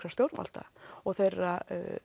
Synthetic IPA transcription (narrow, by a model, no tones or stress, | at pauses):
ɾast̪jowɾma̰l̥t̪a̰ɔɣθejrːa